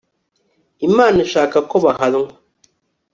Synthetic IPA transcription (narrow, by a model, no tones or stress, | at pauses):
imanɨʃakakɔbaɦaluŋ